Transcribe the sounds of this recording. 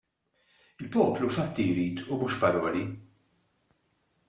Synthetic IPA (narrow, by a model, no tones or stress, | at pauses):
ɪlpɔːplufɐt̪ːijɾiːt̪umuːʃpɐɾɔːli